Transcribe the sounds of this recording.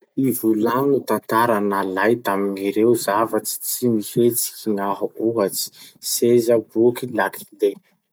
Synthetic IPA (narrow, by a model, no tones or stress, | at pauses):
ivulanut̪ant̪aɾanalajt̪aminiɾewzavat͡si̥t͡simihet͡si̥iŋaɦuuɦat͡si̥sezəbukilakʰi̥le